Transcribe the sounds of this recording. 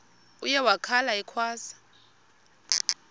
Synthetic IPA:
ujɛwakʰalaɛkʰwaːsḁ

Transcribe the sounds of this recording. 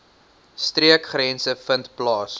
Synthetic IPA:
striəkχɾɛnsəfəntplɑːs

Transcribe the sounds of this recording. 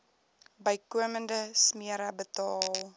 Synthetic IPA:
bəjkuəməndəsmiəɾɐbətɑːl

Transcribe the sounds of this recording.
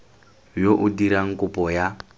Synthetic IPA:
joʔudiɾaŋ̩kupɔja

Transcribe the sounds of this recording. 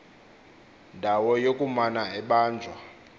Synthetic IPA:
ndʱawɔjokʼumanaɛɓaːnd͡zʱwa

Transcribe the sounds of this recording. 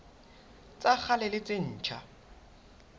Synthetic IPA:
t͡sʼak͡xʰalɪlɪt͡sʼɪn̩ːt͡ʃʰa

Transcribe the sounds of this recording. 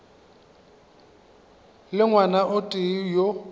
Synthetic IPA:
lɪŋwanaʔʊtʼɪjo

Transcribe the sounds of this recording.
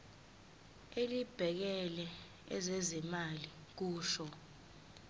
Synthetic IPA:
elib̥ʱɛk̬ɛlɛ | ɛ̰zɛzɛmali | k̬uːʃɔ

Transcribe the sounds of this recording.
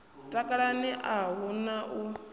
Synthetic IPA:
tʼakʼaɺaniʔaɦunaʔu

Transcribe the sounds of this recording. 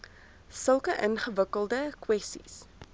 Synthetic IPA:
səlˠkəʔənχəvəkəlˠdəkwɛstḭs

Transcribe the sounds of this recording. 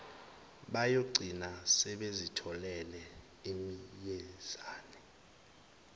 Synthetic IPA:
ɓajoɡ͡ǀʱinasɛɓezitʰɔlɛlɛ | emijez̥aːnɛ

